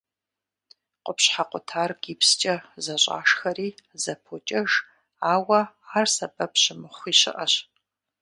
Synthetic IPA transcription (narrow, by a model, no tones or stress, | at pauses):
qʷʼʊpɕħaqʷʼʊtʰaːrɡ̥iːpst͡ʃʼɐzɐɕʼa̰ːʂxɐriːzɐpʰot͡ʃʼɐʒ | aːwɐ | aːrsɐbɐpʰɕɪmɨχʷiːɕɪ̰ʔɐɕ